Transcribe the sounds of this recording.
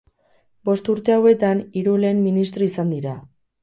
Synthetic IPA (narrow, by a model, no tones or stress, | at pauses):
bo̞st̪uɾt̪e̞awe̞t̪aniɾule̞ːmminist̪ɾo̞isand̪iɾa